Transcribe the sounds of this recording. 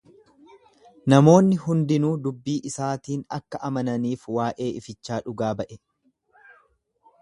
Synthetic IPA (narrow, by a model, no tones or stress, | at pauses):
nɐmo̞ːnːɪhɦʊnd̪ɪnuːd̪ʊbːiːʔɪsaːt̪iːnɐkːɐʔɐmɐnɐniːfwaːʔe̞ːɪfɪt͡ʃːaːᶑʊɡaːbɐʔɛ